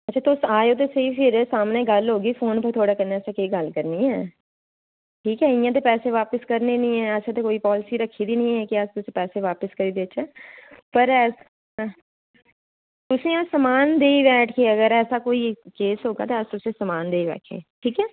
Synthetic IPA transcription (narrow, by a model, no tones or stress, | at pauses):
ət͡ʃʰʃʰaːt̪ʊsaːjoːt̪̬eːseiːpʰɪɾsaːmnẽːɡəlɦoːɡiːfʰoːnpəɾt̪ʰoːɽaːkəɾnaːɛːseːkəiːɡəlkəɾniːɦɛː | ʈʰiːkɦɛːɪjãːt̪̬eːpɛːseːʋaːpəskəɾneːnĩːɦɛːəsẽt̪ekoːiːpɔːlɪsiːɾəkʰːiːd̪iːnəĩːɦɛːkɪəst̪ʊsẽːpɛːseːʋaːpəskəɾiːd̪eɪt͡ʃɛːpəɾɛːs | t̪ʊsẽːasəmaːnd̪eːibɛːʈʰkeːəɡəɾɛːsaːkoːiːkeːsɦoːɡa̰ːt̪eəst̪ʊsẽːsəmaːnd̪eːiʋɛ̰ːkʰḛːʈʰiːkɛː